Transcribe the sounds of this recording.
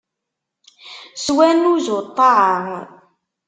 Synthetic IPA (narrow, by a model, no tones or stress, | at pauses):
swænuzʊt̪ˤːɑaŋ